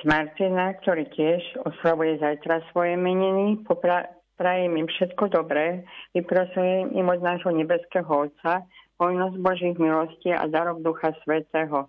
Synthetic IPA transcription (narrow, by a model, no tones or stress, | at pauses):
maɾt̪inakt̪ɔɾiːcɪɛʒɔslaʋujɛzajt̪ɾasʋɔjɛmɛɲinipɔpɾa | pɾajɛmimfʃɛt̪kɔd̪ɔbɾɛːʋipɾasujɛmḭmɔd̪naːʒɦɔɲɛbɛskɛːɦɔɔt̪sapɔjnɔzbɔʒiːɣmilɔsciːa̰d̪aɾɔwd̪uxasʋɛt̪ɛːɦɔ